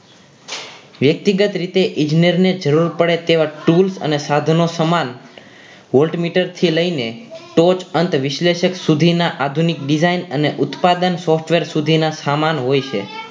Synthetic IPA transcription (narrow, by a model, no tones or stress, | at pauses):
ʋjək̚t̪iɡət̪ɾit̪eʔɪ̃d͡ʒnəɾned͡ʒəɾuɾpəɽet̪eʋaʈulsə̰nesad̪ʱnosəman | ʋolʈmiʈəɾt̪ʰiləjneʈot͡ʃənt̪ʋɪʃleʃəksud̪ʱinaʔad̪ʱunikɖizainəneʔʊt̪pad̪ənsɔfʈʋeɾsud̪ʱinasamanɦojt͡ʃʰḛ